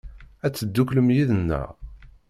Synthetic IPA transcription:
æt͡sːəd̪ːukləmjiðənːæ̰

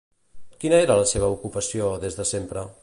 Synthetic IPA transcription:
kinəeɾələseβ̞əukupəsioðezðəsempɾə

